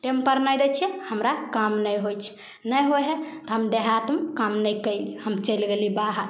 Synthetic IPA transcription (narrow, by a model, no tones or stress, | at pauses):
ʈempəɾnajd̪ɛt͡ʃʰiɛhəmɾakamnəjɦojt͡ʃʰ | nəjɦoɦet̪ɔɦəmd̪eɦat̪mkamnəjkəɪlihəmt͡ʃəjlɡelibaɦa